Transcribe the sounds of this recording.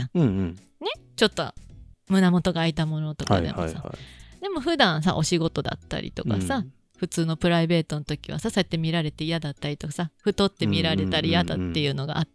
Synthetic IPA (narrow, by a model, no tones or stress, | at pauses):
ne̞t͡ɕo̞t̪ːo̰mɯ̟namo̞t̪o̞ɡaːit̪amo̞no̞t̪o̞ka̰d̪eo̰sa̰d̪e̞mo̞ɸɯ̟d̪ãɰ̃s̬a̰ʔo̞ɕiɡo̞t̪o̞d̪a̰t̪ːa̰ɾʲḭt̪o̞̰kka̰sa | ɸɯ̟t͡sɨːno̞pɯ̟ɾaibe̞ːt̪o̞not̪o̞kʲiβ̞a̰sasoet̪ːe̞mʲiɾaɾe̞t̪e̞ijad̪at̪ːaɾʲit̪o̞kasaɸɯ̟t̪o̞t̪ːe̞mʲiɾaɾe̞t̪aɾʲijad̪at̪ːe̞jɯ̟ːno̞ɡa̰ʔat̪ː